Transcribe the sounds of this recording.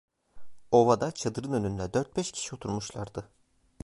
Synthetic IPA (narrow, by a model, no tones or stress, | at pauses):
o̞vad̪at͡ʃʰad̪ɯɾɯnø̞nynd̪ʲɛd̪øɾt̪̚bɛʃcʰi̥ʃio̞t̪ʰuɾmuʃlˠaɾd̪ɯ